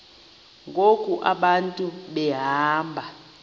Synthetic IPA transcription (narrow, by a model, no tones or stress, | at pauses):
ŋɡʱokʼuʔaɓantʼuɓɛɦaːmbʱa